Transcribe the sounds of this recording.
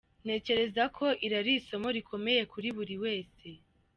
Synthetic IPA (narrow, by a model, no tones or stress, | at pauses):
n̥e̞ːce̞ɾe̞zakʰo̞ʔiɾaɾiso̞mo̞ɾikʰo̞me̞je̞kuɾiβuɾiwe̞ːse̞